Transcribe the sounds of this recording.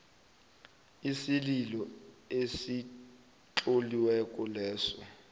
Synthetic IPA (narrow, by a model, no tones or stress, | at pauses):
isililɔesi | ǁoliwɛk̬ʼɔlɛːsɔ